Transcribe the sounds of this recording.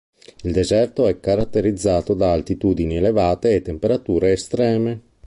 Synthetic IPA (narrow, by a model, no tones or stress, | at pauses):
ild̪ezɛrt̪oɛkːaɾat̪ːeɾid̪zːaːt̪od̪aːlt̪it̪uːd̪inielevaːt̪eːt̪ːempeɾat̪uːɾeːst̪ɾɛːme